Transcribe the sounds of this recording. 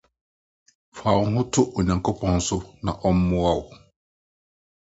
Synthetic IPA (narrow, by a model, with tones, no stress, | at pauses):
fa˨wʊ˦ɦʊ̃˦tʰʊ˦ʔɔ˨ɲã˨ŋ˨kʰʊ˦pʰɔ̃˦n˦sʊ˦nã˨ʔɔ˦m˦mʊ̃˦a˦˨wʊ˨